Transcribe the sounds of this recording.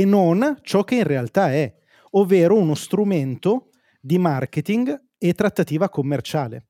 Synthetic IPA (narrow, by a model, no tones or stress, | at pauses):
enːont͡ʃɔk̟ːeinrealt̪aɛ | ovːeːɾounost̪ɾument̪o | d̪imark̟et̪iŋɡ | et̪ːɾat̪ːat̪iːvakomːert͡ʃaːlḛ